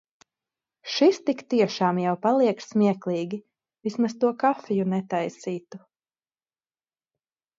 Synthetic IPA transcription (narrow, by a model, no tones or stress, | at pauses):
ʃist̪ikt̪iɛʃaːmjawpalˠiɛkssmʲiɛklˠiːɡʲi | vismast̪uɔkafʲijunɛt̪ajsiːt̪u